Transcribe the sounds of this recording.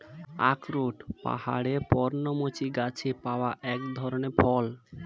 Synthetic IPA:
a̰kɾoʈpa̰ɦa̰ɽepɔɾnomot͡ɕiɡat͡ɕʰepaoaʔɛkd̪ʱɔɾoneɾfɔl

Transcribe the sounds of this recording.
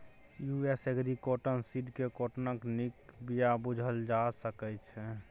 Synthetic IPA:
jueseɡɾikoʈənsiʈkekoʈnəknikbijabud͡ʒʱəld͡ʒasəkɛt͡ʃʰɛ

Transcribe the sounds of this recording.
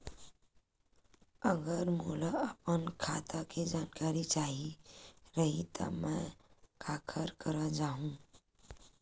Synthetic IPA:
əɡəɾmuːlaəpənkʰaːt̪ʰaked͡ʒaːnkaːɾit͡ʃaːɦiɾəɦit̪ʰə̰mɛ̃kʰaːkʰəɾkəɾad͡ʒaːɦũː

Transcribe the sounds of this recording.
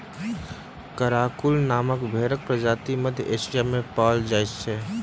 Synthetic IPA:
kəɾaːkʊlnaːməkbʱeːɾək̚pɾəd͡ʒaːt̪imɐd̪ʱjeːʃijamẽpaːld͡ʒaːɪt͡ʃt͡ʃʰeː

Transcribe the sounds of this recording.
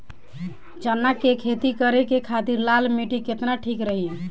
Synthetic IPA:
t͡ʃənːakekʰet̪ikəɾekekʰat̪iɾlalmiʈiket̪naʈʰikɾəɦiẽ

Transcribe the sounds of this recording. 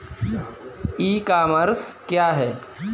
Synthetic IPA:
iːkaːməɾskjaːɦɛː

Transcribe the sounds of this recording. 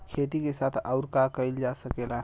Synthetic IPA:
kʰet̪ikesat̪ʰawɾkakəjld͡ʒasəkela

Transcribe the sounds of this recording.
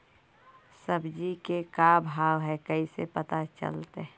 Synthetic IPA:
səbd͡ʒikekabʱaːwɦɛkəisḛpət̪at͡ʃə̰lt̪e

